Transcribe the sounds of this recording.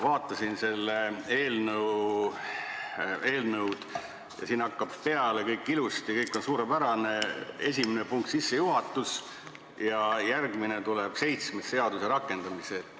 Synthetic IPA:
vɑːt̪ːˑɑsinse̞lːee̞ːlnəw | e̞ːlnəwd̪̥ | jɑ̰siːnɑkːɑb̥peɑle̞kɤjkːˑilust̪jɑkɤjkːˑo̞nsuːɾepæɾɑne̞e̞sʲimenepuŋk̚t̪sisːe̞juɦɑt̪ːˑus | jɑjærɡmine̞t̪uleb̥se̞jt̪smese̞ɑd̪use̞ɾɑkːˑe̞nd̪̥ɑmiset̪ː

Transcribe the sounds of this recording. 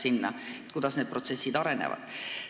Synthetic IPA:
sinːɑ̰et̪̚kud̪̥ɑsneːd̪̚pro̞t̪se̞sːid̪̥ɑɾe̞nḛvɑ̰d̪̥

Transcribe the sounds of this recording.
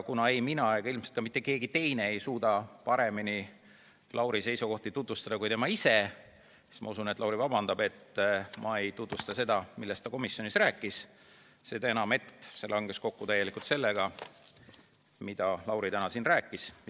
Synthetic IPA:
kunɑe̞jminɑeɡɑilmset̪kɑmit̪ˑːe̞ke̞ːɡit̪e̞jne̞ejsuːd̪ɑpɑɾe̞mini | lʔɑwɾise̞jsuko̞ht̪it̪ut̪vust̪ɑd̪ɑkujt̪e̞mɑise̞ | si̥smɑ̰usunet̪ːˑlɑwɾivɑbɑnd̪̥ɑbe̞t̪ːmʔɑe̞jt̪ut̪vust̪ɑse̞d̪̥ɑmilːe̞st̪ɑko̞misːjonisræːkˑːis | sed̪ɑe̞nɑme̞t̪ːse̞lɑŋɡ̥e̞sko̞kːut̪æjːe̞likult̪se̞lːeɡ̥ɑ | mid̪̥ɑlɑwɾit̪ænɑsinræːkːˑis

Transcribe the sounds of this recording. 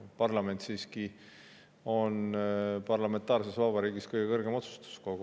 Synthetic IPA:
pɑrlɑme̞nt̪siːski | o̞npɑrlɑme̞nt̪ːˑɑːrse̞svɑbɑɾiːɡiskɤjɡ̥e̞kɤrɡ̥e̞mo̞t̪su̥st̪u̥sko̞ɡ̥u

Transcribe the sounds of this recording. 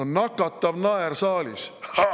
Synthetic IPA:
onnːɑkːˑɑt̪ˑːɑvnɑeɾsɑːlʲḭs

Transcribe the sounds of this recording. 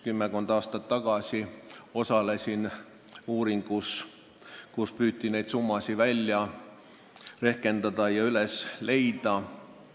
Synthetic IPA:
kymːekond̪ɑːst̪ɑt̪ːɑɡ̥ɑsʲio̞sɑle̞sʲin | uːɾiŋɡ̥us | kuspyːt̪ːˑine̞jd̪sumːɑsivælʲjɑ | re̞hke̞nd̪̥ɑd̪ɑjɑylesle̞jd̪̥ɑ

